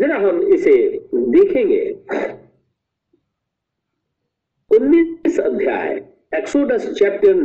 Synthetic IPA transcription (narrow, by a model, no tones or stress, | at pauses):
d͡ʒɐnaɦɐmɪsed̪eːkʰẽːŋɡḛ | ʊnːisəd̪ʱja̰ːj | eksoːɖəst͡ʃɛːp̚ʈəɾn